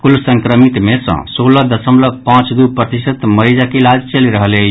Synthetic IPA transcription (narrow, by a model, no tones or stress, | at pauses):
kulsə̃ŋkɾəmit̪mesə̰̃soləd̪əsəmləɡ̚pãt͡ʃd̪upɾət̪isət̪məɾid͡ʒakelad͡ʒt͡ʃəliɾəɦəlɛ